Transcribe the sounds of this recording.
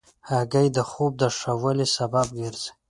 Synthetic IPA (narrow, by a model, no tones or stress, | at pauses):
aɡajdaχup̚daʂawalisabab̚ʼɡʲarz